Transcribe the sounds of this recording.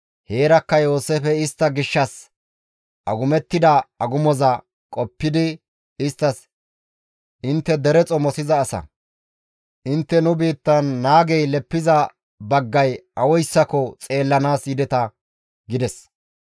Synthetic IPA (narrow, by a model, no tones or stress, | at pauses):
he̞ːɾɐkːɐjo̞ːsefɛɪst̪ːɐɡɪʃːɐs | ʔɐɡʊmɛt̪ːɪd̪ɐɐɡʊmɔzɐ | kʼɔpːɪd̪ɪ | ɪst̪ːɐs | ʔɪnt̪ːɛd̪ɛɾɛt͡sʼɔmɔsɪzɐːsɐ̰ | ʔɪnt̪ːɛnʊbiːt̪ːɐnːaːɡɛjlɛpːɪzɐ | bɐɡːɐjʔɐwɔjsːɐkɔt͡sʼe̞ːlːɐnaːsjɪd̪ɛt̪ɐ | ɡɪd̪ɛs